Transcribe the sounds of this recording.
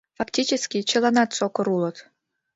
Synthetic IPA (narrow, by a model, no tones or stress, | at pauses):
faktʲit͡ɕeskʲit͡ɕə̆lˠɑnɑt̪sokoɾulˠɤ̆t̪